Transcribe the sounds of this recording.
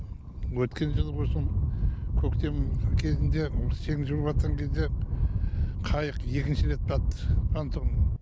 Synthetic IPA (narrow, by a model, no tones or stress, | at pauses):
wɵt̪kʲe̞nʒəlˠqʰojsəɴkʲʰɵkt̪e̞mkʲʰe̞zɪnd̪e̞sʰe̞ŋɪʒuɾpɑt̪qɑŋkʲʰe̞zd̪e̞ | qʰɑjəqje̞kʲɪnʃɪɾe̞t̪̚pɾɑt̪ːə̥pʰant̪ʰon